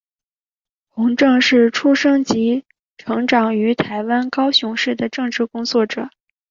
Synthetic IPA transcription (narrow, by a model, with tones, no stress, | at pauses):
xʊ˧˥ŋʈ͡ʂɤ˥˧ŋʂɻ̩˥˩ʈ͡ʂʰu˥ʂɤ˥ŋt͡ɕi˧˥ | ʈ͡ʂʰɤ˧˥ŋʈ͡ʂɑ˨˩ŋy˧˥t̪ʰa˧˥ɪwa˥nkɑ˥ʊɕjʊ˧˥ŋʂɻ̩˥˩d̪ə˩ʈ͡ʂɤ˥˧ŋʈ͡ʂɻ̩˥˩kʊ˥ŋt͡swɔ˥˩ʈ͡ʂɤ˨˩˦